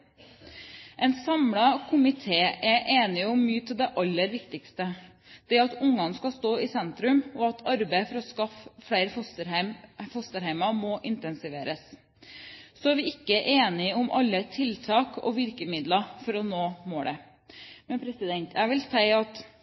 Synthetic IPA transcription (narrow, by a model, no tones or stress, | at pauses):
ʔɛɪnsɑmɽɑkʰʊmɪt̪ʰeːʔæʔeːnɪʊmːyːət̪ʰɪld̪ɛʔɑlːəɾʋɪkt̪ɪkst̪ə | d̪̥ɛæɑt̪ʊŋːɑnskɑst̪oːɪsɛnt̪ɾʉmɔɑt̪ʰɑɾbæɪfɔɾɔskɑffɽæɪɾfɔsəɾfɔst̪əɾhæɪmɑmɔʔɪnt̪ɛnsɪʋeːɾəs | sɔæːɾʋɪɪkːəʔeːnɪʊmʔɑ̰lːət̪ʰɪlt̪ʰɑːkʰɔ̰ːʋɪɾkəmɪd̪lɑfɔɾɔnoːmoːɽə | mɛnpʰɾɛsɪd̪ɛnt̪ʰæʋɪlsæɪɑt̪